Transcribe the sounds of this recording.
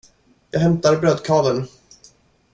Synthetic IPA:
jɑːɡɦɛmt̪aɾbɾøːd̪kʰɑːvən

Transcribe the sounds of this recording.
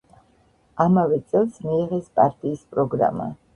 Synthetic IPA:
amavɛt̪sʼɛlˠsmiːʁɛspʼaɾt̪ʼiːspʼɾɔɡɾa̰ma̰

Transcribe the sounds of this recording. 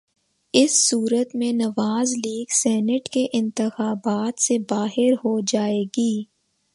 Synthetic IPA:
ɪsːuːɾət̪mẽnɐʋaːzliːɡsɛːnəʈkeʔɪ̃nt̪ɪxaːbaːt̪sebaːɦɪɾɦod͡ʒaːeːɡiː

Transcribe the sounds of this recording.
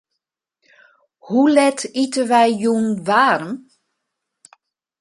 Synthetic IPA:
hulɛtʰitəʋɛjjuːnʋaːɾəm

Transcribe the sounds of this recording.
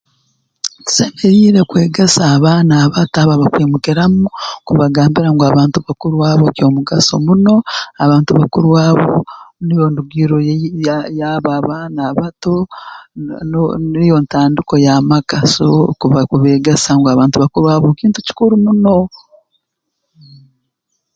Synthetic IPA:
ti̥se̞meɾiːɾe̞kwe̞ːɡe̞saːβaːnaːβataβaβakweːmukeɾamukuβaɡaːmbiɾaŋɡoaβaːntuβakuɾuwaːβokjo̞ːmuɡaso̞̰muno̞aβaːntuβakuɾuwaːβo̞nijonduɡiɾo | jaβaβaːnaːβato̞ | nonijo̞ntaːndiko̞jamakasokuβakuβeːɡesaŋɡoaβaːntuβakuɾuwaːβokiːntuci̥kuɾumuno̞

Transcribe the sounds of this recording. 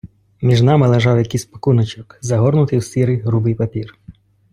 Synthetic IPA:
mʲiʒnɑmɪlˠeʒɑwjɐkɪsʲpɐ̥kunɐt͡ʃɔkzɐɦɔrnʊt̪ɪwsʲiɾɪjɦɾubɪjpɐpʲir

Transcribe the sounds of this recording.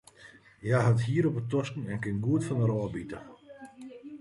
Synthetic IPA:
jaɦathiəɾɔpətɔskn̩ɛnkɪnɡuətfɔnəɾɔːbitə

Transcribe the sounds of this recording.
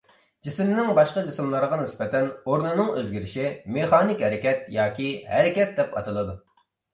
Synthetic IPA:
d͡ʒisɪmnɪŋbɑʃqɑd͡ʒisɪmlˠəɾəʁɑnɪspɛt̪ʰɛnoɾnɨnɨŋøzɡʲiɾɪʃimeχɑːnɪkʲhɛɾɪkʲɛt̪jɑːkʲihɛɾɪkʲɛt̪̚d̪ɛpɑ̰t̪ʰɨlˠɨd̪u

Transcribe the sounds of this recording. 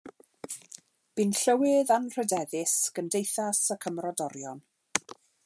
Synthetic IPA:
b̥ɪnɬəwɪðanr̥ədɛðɪsɡ̥əndejθasəkʰəmrɔdɔɾjɔn

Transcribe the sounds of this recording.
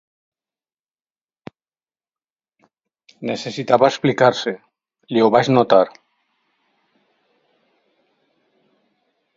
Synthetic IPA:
nese̞sit̪aβaesplikaɾse | leoβaznot̪aɾ

